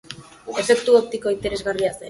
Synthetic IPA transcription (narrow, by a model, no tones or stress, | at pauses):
e̞fe̞kt̪uop̚t̪iko̞int̪e̞ɾe̞zɣariase